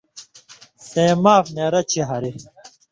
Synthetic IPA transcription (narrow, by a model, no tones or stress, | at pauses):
seːmaːfneːɾɐt͡ɕʰiɦɐɾi